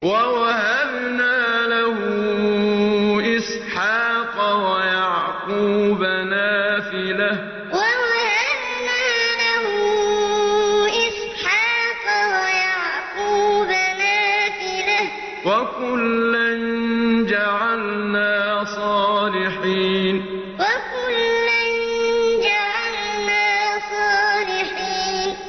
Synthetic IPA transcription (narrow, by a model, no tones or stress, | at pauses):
wawahabnaːlahʊ | ʔɪs | ħɑːqɑwajaʕquːbanaːfɪlah | wawahab | naːlahʊ | ʔɪs | ħɑːqwajaʕquːbanaːfɪlah | wakʊlːand͡ʒaʕalnaːsˤɑːlɪħiːn | wakʊlːand͡ʒaʕalnaːsˤɑːlɪħiːn